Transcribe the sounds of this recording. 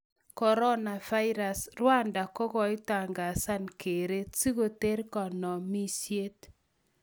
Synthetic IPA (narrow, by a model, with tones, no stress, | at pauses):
kɔ˨ɾɔ˦na˨va˦ɪ˦ɾa˨srwa˦nda˨kɔ˦ɣɔ˨ɪ˦ta˨ŋɡa˨sa˦nke˨ɾe˦t͡si˦ɣo˨te˦ɾkɔ˨nɔ˨mi˦sje˦t